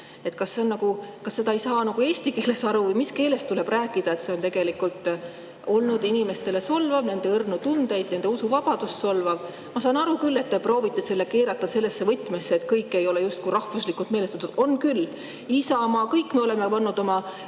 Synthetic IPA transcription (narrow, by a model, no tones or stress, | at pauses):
e̞t̪kɑsːe̞nːɑɡ̥ukɑsːe̞d̪ɑejsɑːnɑɡ̥ue̞ːsʲt̪ike̞ːle̞sɑɾuvɯjmiske̞ːle̞st̪t̪ule̞b̥ræːkːˑid̪ɑe̞t̪se̞o̞nt̪e̞ɡ̥e̞likult̪ˑ | o̞lnud̪̥inime̞st̪e̞le̞so̞lvɑvne̞nd̪e̞ɯrnut̪und̪e̞jd̪̥ne̞nd̪e̞usuvɑb̥ɑd̪̥usso̞lvɑv | mɑsɑːnɑɾukylːe̞t̪ːe̞pro̞ːvit̪ːˑe̞se̞lːe̞ke̞ːɾɑt̪ːˑɑse̞lːesːe̞vɤt̪ːˑmesːeːt̪kɤjkːˑe̞jo̞lejust̪̚kuɾɑhvuslikːˑult̪me̞ːlest̪ɑ̥t̪ud̪̥o̞nkyl | isɑmɑkɤjkːmie̞o̞lemepɑnːud̪̥o̞mɑ